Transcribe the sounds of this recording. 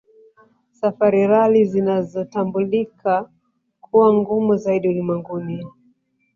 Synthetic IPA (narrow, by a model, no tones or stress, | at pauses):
safaɾiɾalizinazɔtambulika | kʰuwaŋɡumuzaiɗiulimwɛŋɡuni